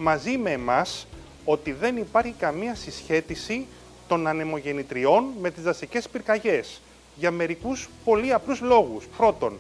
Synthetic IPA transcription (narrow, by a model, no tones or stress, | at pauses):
mɐzime̞ːmɐs | o̞t̪iðe̞nipɐɾçikɐmiɐsisçe̞t̪isi | t̪o̞nɐne̞mo̞ʝe̞nit̪ɾio̞nme̞t̪izðɐsice̞spiɾkɐʝe̞s | ʝɐːme̞ɾikuspo̞liɐpluzlo̞ɣuspɾo̞t̪o̞n